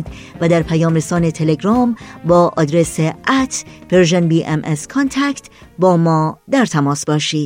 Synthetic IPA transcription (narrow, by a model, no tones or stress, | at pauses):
d̪ | væd̪æɾpʰæjɒːmɾesɒːnet̪ʰeleɡɾɒːmbɒːʔɒ̰ːd̪ɾeseʔæt̪ʰv̥eɾʒenbiːʔemʔeskʰont̪ʰækt̪ | bɒːmɒːd̪æɾt̪ʰæmɒːsbɒːʃiːd̪